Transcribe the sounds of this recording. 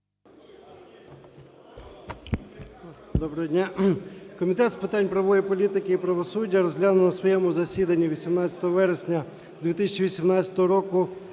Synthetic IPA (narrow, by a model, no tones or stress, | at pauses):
d̪ɔbɾɐɦɛdʲnʲakɔmʲit̪ɛt̪spɪt̪anʲpɾɐʋɔjipɔlʲit̪ɪkɪipɾɐʋɔsudʲːɐɾɔzɦlʲanʊnɐsʋɔjɛmʊzɐsʲid̪ɐnʲːiʋʲisʲimnɑt͡sʲɐt̪ɔɦɔʋɛɾesʲnʲɐ | d̪ʲʋʲit̪isʲɐt͡ʃiʋʲisʲimnɑt͡sʲɐt̪ɔɦɔɾɔkʊ